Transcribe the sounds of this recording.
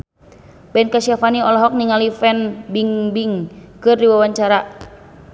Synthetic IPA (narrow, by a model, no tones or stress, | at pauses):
bɛnkasiafaniɔlɔɦɔk̚niŋalifɛnbiŋbiŋkɨrdiwawaɲt͡ʃaɾa